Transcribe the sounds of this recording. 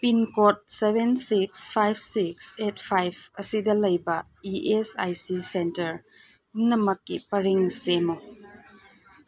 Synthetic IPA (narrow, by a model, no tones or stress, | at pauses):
pinkot̚sebensikspʰajbsiksetpʰajb̚ʰɐsidɐlɐjbɐ | iʔesa̰jsisentɐɾ | umnɐmɐkːḭpɐɾiŋsemo